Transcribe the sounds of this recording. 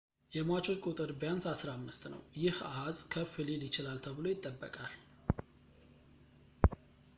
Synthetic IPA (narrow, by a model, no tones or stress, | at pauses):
jɛmat͡ʃʰo̞t͡ʃkʼut̪ʼɨɾbjansasɾaamːɨst̪nə̰wjɪhahazkʰəfɨlelɪt͡ʃɪlalt̪ʰəβɨlo̞jɪt̪ʼːəbːə̰kʼal